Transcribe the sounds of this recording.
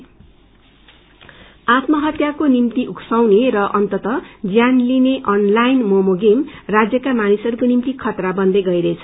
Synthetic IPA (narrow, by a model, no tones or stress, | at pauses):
at̪mʌɦʌt̪jakonimt̪iʔuksʌwneɾʌʔʌnt̪ʌt̪ʌd͡zjanlineʔʌnlajnmomoɡemrad͡zjʌkamanisʌɾukonimt̪ikʰʌt̪rabʌnd̪eɡʌjɾʌt͡sʰʌ̥